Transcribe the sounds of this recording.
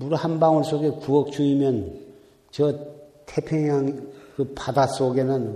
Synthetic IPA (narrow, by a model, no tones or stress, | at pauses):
muɾhanbaŋʌɭs͈oɡe̞kuʌk̚t͡ɕuimjʌn | t͡ɕʌtʰepʰjeŋaŋkɯpadas͈oɡe̞nɯn